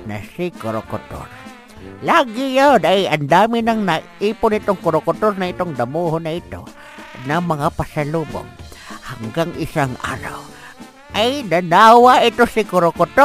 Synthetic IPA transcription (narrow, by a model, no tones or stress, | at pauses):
na̰sɪkoɾokʊt̪o̰r | laːɡɪjad̪ajand̪aːmɪnɐŋna | iːpʊnɪt̪ʊŋkoɾokʊt̪oɾnaɪt̪ʊŋd̪amuhʊnɐɪt̪o̰ | namɐŋapasalubo̰ŋhaŋɡaŋʔɪsaŋʔa̰ːɾa̰w | ʔajnɐnawaɪt̪osɪkoɾokʊt̪o